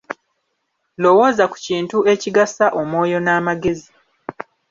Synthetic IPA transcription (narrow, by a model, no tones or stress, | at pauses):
lo̞wo̞ːzaku̥ciːntue̞ciɡasaʔo̞mwo̞ːjo̞naːmaɡe̞zi